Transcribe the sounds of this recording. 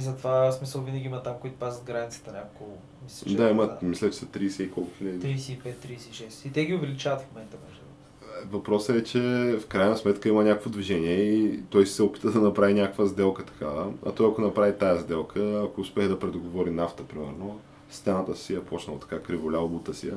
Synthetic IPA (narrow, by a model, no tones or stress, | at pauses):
izɐt̪vasmisəlˠvinəɡʲiimɐt̪amkoit̪ʊ̥pazət̪̚ɡɾanʲit̪sə̥t̪ənʲakko | mislʲɐt͡ʃd̪aiməmislʲɛt͡ʃɛ̥sɐt̪ɾiːsɛikɔlˠkʊxiləd̪iɾisɛipɛt̪̚ːɾisɛiʃɛsit̪ɛɡʲiʊvɛlit͡ʃavɐt̪fmomɛnt̪əmɔʒɛ | vɐpɾɔsəɛt͡ʃɛfkɾajnəsmɛt̪kəimənʲakokvod̪viʒɛniɛit̪ɔjsi̥sɛopi̥t̪əd̪ɐnɐpɾavinʲakokvəzd̪ɛlˠkət̪ɐ̥kavəɐ̰t̪ɔjɐkonɐpɾavit̪ajɐzd̪ɛlˠkʰəːkoʊspʲɛxd̪ɐpɾɛd̪oɡovɔɾinaft̪əpɾimɛ̰ɾno | st̪ɛnat̪əsijɐpʰɔt͡ʃnəlˠɐt̪ɐ̥kakɾivolʲabut̪əsijɐ̰